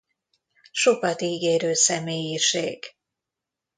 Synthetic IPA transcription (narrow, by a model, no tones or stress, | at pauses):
ʃo̞kɒt̪iːɡeːɾøːsɛmeːjiʃeːɡ̥